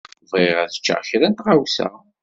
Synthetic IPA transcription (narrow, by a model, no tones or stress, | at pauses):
vˤiʁæθə̥t͡ʃːa̰ʁçɾænt̪ʁawsæ̰